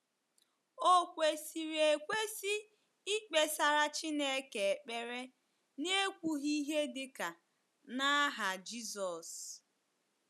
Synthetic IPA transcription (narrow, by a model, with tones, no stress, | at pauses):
o˦kʷe˨si˨ɾe˨kʷe˦si˦ | i˦k͡pe˨sa˨ɾa˦t͡ʃi˦ne˦ke˨k͡pe˦ɾe˦ | ne˦kʷu˦ɦi˦ɦe˦dɪ˨ka˨ | na˦ɦa˨d͡ʒi˦zɔ˨s